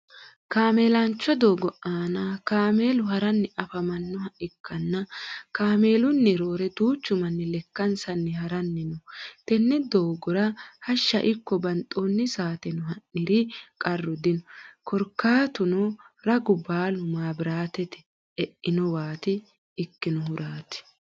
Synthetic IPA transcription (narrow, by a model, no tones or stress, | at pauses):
kaːmeːlɐnt͡ʃːɔd̪oːɡɔʔaːnɐkaːme̞ːlʊɦɐɾɐnːɪʔɐfɐmɐnːɔhɐʔɪkʰːɐnːɐkaːme̞ːlʊnːɪɾoːɾɛt̪uːt͡ʃːʊmɐnːɪlɛkːɐnsɐnːɪhɐɾɐnːɪnɔt̪ɛnːɛd̪oːɡɔɾɐhɐʃːɐʔɪkːɔbɐnt̪ʼoːnːɪsaːt̪ɛnɔɦɐnːɪɾɪkʼɐrːɔd̪ɪnɔkʰɔɾkːaːt̪ʊnɔ | ɾɐɡʊbaːlʊmaːbɪɾaːt̪ɛt̪ɛ̥ | ɛʔːɪnɔwaːt̪ɪː | kːɪnɔhʊɾʔaːt̪ɪ̥